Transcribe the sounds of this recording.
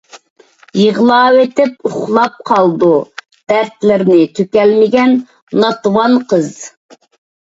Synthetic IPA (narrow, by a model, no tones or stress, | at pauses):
jəʁlˠɑːwet̪ɪp̚uχχlˠɑp̚qʰɑlˠd̪u | d̪̥æɾt̪lɪɾnɪt̪ʰøkʲɛlmɪɡʲɛnː | ɑt̪wɑnqʰəz